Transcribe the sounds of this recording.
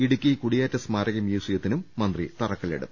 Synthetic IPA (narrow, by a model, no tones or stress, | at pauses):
iɽukʲːikuɽijaːtːɐsmaːɾɐɣɐmjuːsijɐt̪ːinumːɐnd̪rit̪ɐrɐkːɐlḛɽṵː